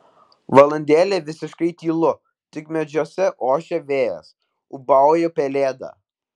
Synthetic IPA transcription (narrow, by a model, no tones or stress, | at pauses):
ʋɐlˠɐnʲd̪ʲeːlʲɛːʋʲɪsʲɪʃkɐɪt̪ʲiːlˠʊ | t̪ʲɪkmʲɛd͡ʒʲuɔsʲɛʔoːʃʲɛʋʲeːjɛ̰s | ʊbɐˑʊjopʲɛlʲeːd̪ɑ̰ː